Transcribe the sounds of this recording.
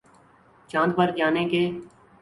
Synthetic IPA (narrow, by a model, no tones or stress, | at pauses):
t͡ʃãːnd̪pəɾd͡ʒaːneːkeː